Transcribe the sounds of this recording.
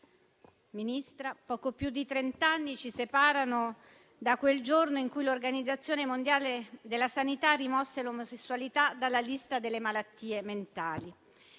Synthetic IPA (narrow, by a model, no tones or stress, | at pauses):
minist̪ɾapɔːkopjud̪ːit̪ɾent̪anːit͡ʃisepaːɾano | d̪akweld͡ʒornoiŋkujlorɡanid̪zːat̪sːjoːnemond̪jaːled̪elːasanit̪arːimɔsːelomosesːuwalit̪ad̪alːalist̪ad̪elːemalat̪ːiːement̪aːli